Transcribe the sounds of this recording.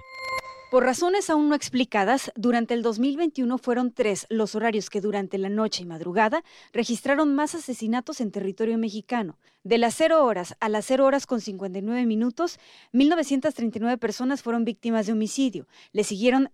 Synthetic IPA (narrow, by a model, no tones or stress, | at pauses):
po̞ɾraso̞ne̞saunːo̞e̞ksplikað̞asd̪uɾant̪e̞ːld̪o̞zmilβe̞jnt̪juno̞fwe̞ɾo̞nt̪ɾe̞slo̞so̞ɾaɾjo̞ske̞ðuɾant̪e̞lano̞t͡ʃe̞imaðɾuɣaða | re̞xist̪ɾaɾo̞nmasase̞sinat̪o̞se̞nt̪e̞rit̪o̞ɾjo̞me̞xikano̞ | ðe̞lasːe̞ɾo̞oɾasalasːe̞ɾooɾasko̞nsiŋkwe̞nt̪ajnwe̞βe̞mĩnut̪o̞s | milno̞β̞e̞sjent̪ast̪ɾe̞jnt̪ajnwe̞βepe̞ɾso̞nasfwe̞ɾo̞mbik̚t̪imazðe̞o̞misiðjo̞ | le̞siɣje̞ɾo̞n